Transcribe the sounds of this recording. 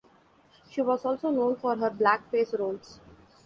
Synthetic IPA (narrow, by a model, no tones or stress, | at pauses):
ʃiːʋɔːzɔːlsoːnõːnfɔːɾɦəɾblækfeːsɾõːns